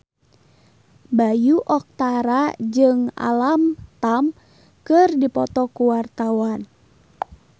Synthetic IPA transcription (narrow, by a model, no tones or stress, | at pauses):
bajuʔɔk̚t̪aɾad͡ʒɨŋa̰lamt̪am | kɨrdipɔt̪ɔkuwart̪awan